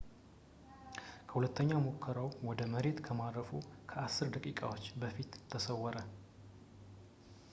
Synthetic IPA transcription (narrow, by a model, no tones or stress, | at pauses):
kʰə̥hulət̪ʰːəɲːamokʰːəɾawwɔd̪əməɾe̞t̪kʰəmad̪ɾəfukʰəʔasːɨɾd̪əkʼikʼa̰wo̞t͡ʃːbəfit̪ʰːəsəwɔɾə